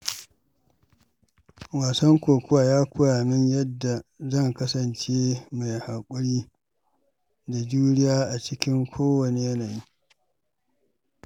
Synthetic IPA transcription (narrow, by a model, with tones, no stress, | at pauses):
waː˨sɐ˦ŋkʷoː˨kʷʊ˦waː˨jaː˦kʷʊ˦jaː˨mɪ˦ɲjɐ˦dːa˨zɐ˦˨ŋkɐ˦sɐ˨nt͡ʃeː˦ma˨jha˨kʷʼʊ˦ɽiː˦ | da˨d͡ʒuː˦nɪ˦jaː˦ʔa˨t͡ʃɪ˦kʲɪ˦ŋkʷʰoː˦wɐ˨ne˨jɐ˦naː˨jiː˦